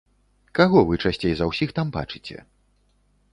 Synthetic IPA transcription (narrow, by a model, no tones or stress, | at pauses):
kaɣɔvɨt͡ʂasʲt͡sʲejzɐwsʲixt̪amba̰t͡ʂɨt͡sʲɛ̰